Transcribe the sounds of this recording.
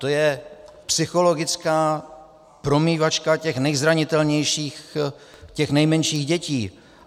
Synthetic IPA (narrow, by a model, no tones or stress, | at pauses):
t̪o̞jɛpsɪxo̞lo̞ɡɪt͡skaː | pɾo̞miːvat͡ʃkacɛxnɛjzɾaɲɪt̪ɛlɲɛjʃiːx | cɛxnɛjmɛnʃiːɣɟɛciː